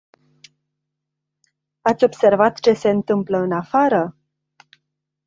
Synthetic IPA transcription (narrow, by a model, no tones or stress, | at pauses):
at̪sʲo̞bse̞rvat̪t͡ʃe̞se̞ɨnt̪ɨmpləɨnafaɾə